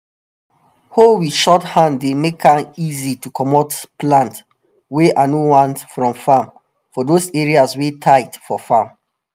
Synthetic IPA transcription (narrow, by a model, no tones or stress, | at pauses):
howiʃɔthãndːemekʰãnizitukʰɔmotplãnt | weʔanowãntfɹɔ̃mfãm | fɔdoseɹiaswetʰaɪtfɔfãm